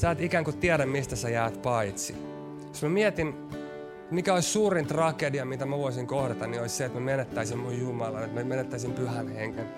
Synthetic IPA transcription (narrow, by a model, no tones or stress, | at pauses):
sɑːt̪ikæŋkut̪iɛdæmmist̪æsæjæːt̪pɑit̪si | josmæmiɛt̪in | mikæoissuːrint̪rɑkediɑmit̪æmæʋoisiŋkohdɑt̪ɑnniolisʲseet̪mæmenet̪ːæisimmujjumɑlɑnet̪mæmenet̪ːæisimpyhænheŋken